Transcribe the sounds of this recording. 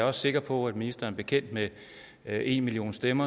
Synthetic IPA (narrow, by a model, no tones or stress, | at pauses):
ɒ̽sse̝ɡ̥ɐpʰɒ̽æd̥minisd̥ɐɐb̥e̝kʰen̰d̥me | e̝̰nmilio̝̰ːnsd̥emɐ